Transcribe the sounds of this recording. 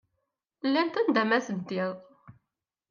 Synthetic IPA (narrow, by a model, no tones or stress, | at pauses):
lːænt̪ænd̪æmæsənt̪iðˤ